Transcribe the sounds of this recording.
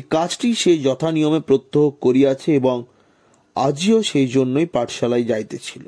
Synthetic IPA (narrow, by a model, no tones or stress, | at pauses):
ekat͡ɕʰʈiʃed͡ʑɔt̪ʰanijomepɾot̪ːoɦokkoɾiat͡ɕʰeeboŋ | a̰d͡ʑioʃejd͡ʑonːojpaʈʃalajd͡ʑajt̪et͡ɕʰilo̰